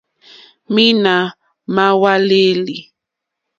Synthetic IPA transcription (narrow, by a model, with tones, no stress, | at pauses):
mi˦na˨ | ma˦wa˦le˦li˨